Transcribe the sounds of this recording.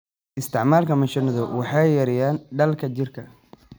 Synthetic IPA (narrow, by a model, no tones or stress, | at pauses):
ʔɪst̪ʰɪʕmaːlkʰɐmɐʃɐnɐðɔwɑħɑjɐɾɪjaːnɖɐlkʰɐt͡ʃɪrkʰɐ